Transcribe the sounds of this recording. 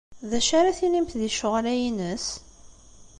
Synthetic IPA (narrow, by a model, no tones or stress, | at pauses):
ðæʃaɾaθilimt̪ðiʃʊʁlæjinəs